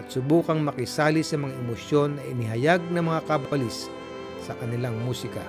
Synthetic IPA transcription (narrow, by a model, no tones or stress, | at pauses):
ɐt̪̚sʊbuːkɐŋmɐkɪsaːlɪsɐmɐŋaʔɛmosjo̞nːɐʔɪnɪɦɐjaɡ̚nɐmɐŋakabɐlɪsː | ɐkɐnɪlaŋmuːsɪkɐ̰